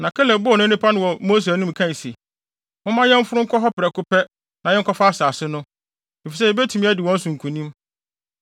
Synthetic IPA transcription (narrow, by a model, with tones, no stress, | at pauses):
nã˨kʰɛ˦lɛ˨˦bʊ˦ɔ˨nʊ̃˦nɪ̃˦pʰa˦nʊ̃˦wɔ˨mo˦s̬e˨nũ˦m˨kʰã˦n˨se˨ | mʊ̃˦mã˦jɛ̃˦m̩˦fʊ˦ɾʊ˦ŋ̩˦kʰʷɔ˦ɦɔ˦pɪ˨ɾɛ˨kʰʊ˦pʰɛ˦ | nã˨jɛ̃˦ŋ˦kʰɔ˦fa˦a˦˨saː˨sɪ˦nʊ̃˦ | e˨fi˨s̬ɛ˦˨bɛ˦tʰu˨mĩ˦æ˦dɪ˨wɔ̃˦n̩˦sʊ̃˨ŋ̩˨kʰũ˨nĩ˦m